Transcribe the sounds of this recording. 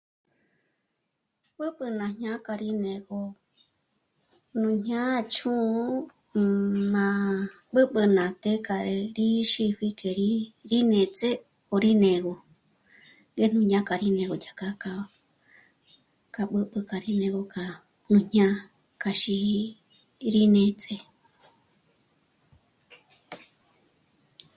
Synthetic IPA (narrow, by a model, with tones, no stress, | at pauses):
ɓɨ˦ɓɨ˧nã˨ɲɲã˦ka˧ɾi˦nẽ˨ɡo˧ | nũ˧˨ɲɲã˦˧t͡ʃʰũ˦ | mã˧ | ɓɨ˦ɓɨ˧nã˨t̪e˦ka˨ɾe˧ɾi˦ʃi˧ɸi˧kʰe˨ɾi˦ɾi˦nẽ˨t͡se˦ | o˨ɾi˦nẽ˨ɣo˨ | ŋɡe˦n̥ũ˧ɲã˦ka˨ɾi˦nẽ˧ɣo˨jʲa˨ka˧ka˧ | ka˧ɓɨ˦ɓɨ˧ka˨ɾi˦nẽ˧ɣo˧ka˨ | n̥ũ˧ɲ̥ɲã˦ | ka˧ʃi˧ | ɾi˦nẽ˧t͡sʼe˧